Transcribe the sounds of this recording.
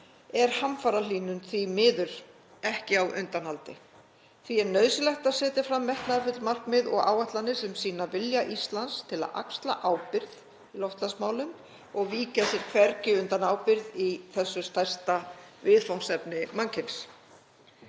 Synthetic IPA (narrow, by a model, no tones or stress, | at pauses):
ɛɾ̥hamfaːɾaliːnʏnθvimɪːðʏɾ̥ | ɛhcɪawʔʏ̰nt̪anhalt̪ɪ̰ | θviɛɾnœːðsɪlɛxt̪aðsɛːt̪ɪɾ̥fɾamːɛht̪naɛfʏt̪lmar̥kmɪðɔɣa̰ːwaht̪lanːɪsɛmsiːnavɪljaʔist̪lanst̪ʰɪla̰ða̰kst̪la̰ʔaːwpɪɾð | ilɔwft̪lansmaːwlʏm | ɔɣviːcasjɛɾ̥kʰvɛɾcɪʏnt̪anaːwpɪɾðiθɛsːʏst̪ajr̥st̪avɪðfawnsɛpnɪmaŋcʰɪns